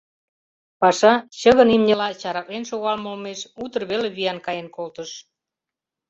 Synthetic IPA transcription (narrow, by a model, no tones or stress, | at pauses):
pɑʃɑt͡ɕəɣənimnʲelɑt͡ɕɑɾɑklenʃoɣɑlmolmeʃut̪ərβeleβijɑnkɑjenkolt̪əʃ